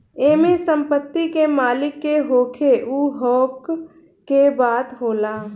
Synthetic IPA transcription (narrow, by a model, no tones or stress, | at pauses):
eːmesə̃mpət̪ːikemaːlɪkːeɦoːkʰeʔuːɦɔːkː | ebaːt̪ɦoːlaː